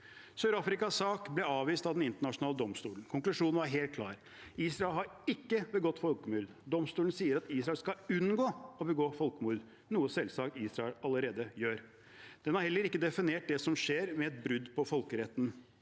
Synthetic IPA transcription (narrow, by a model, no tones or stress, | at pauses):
søːɾɑfɾɪkɑsɑːkblɛɑːʋiːst̪ɑʋd̪ɛnɪnt̪əɳɑʂʊnɑːləd̪ɔmst̪uːlən̩kʰʊŋklʉʂuːnn̩ʋɑɾɦeːlt̪̚kʰlɑːɾ | iːsɾɑɛlɦɑɾɪkːəbɛɡɔt̪ːfɔlkəmʏld̪d̪ɔmst̪uːn̩siːəɾɑt̪iːsɾɑɛlskɑʉnɡoːɔbəɡoːfɔlkəmuːd̪ | nuːəsɛlsɑkt̪iːsɾɑɛlɑləɾeːd̪əjøːɾ | d̪̥ɛnhɑɾhɛlːəɾɪkːəd̪ɛfɪneːʈ̚d̪ɛsɔmʂeːɾmɛɛt̪̚bɾʉd̪pɔfɔlkəɾɛt̪ːn̩